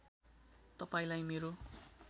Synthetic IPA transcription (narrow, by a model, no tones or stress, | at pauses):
t̪ʌpaĩlajmeɾo